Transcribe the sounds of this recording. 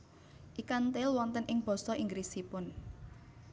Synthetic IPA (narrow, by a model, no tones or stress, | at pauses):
ʔikant̪elwɔnt̪ənʔɪŋb̥ɔ̤sɔʔiŋɡɾisipʊn